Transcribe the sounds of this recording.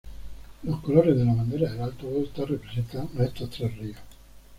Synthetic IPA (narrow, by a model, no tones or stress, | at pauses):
loskoloɾed̪elamand̪eɾaelalt̪oβɔlt̪arepɾesent̪anunet̪ːot̪ɾarːio